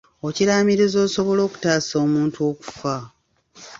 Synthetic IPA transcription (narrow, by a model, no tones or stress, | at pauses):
o̞ciɾaːmiɾezo̞ːso̞βo̞lo̞ːku̥taːso̞ːmuːntuo̞ːku̥fa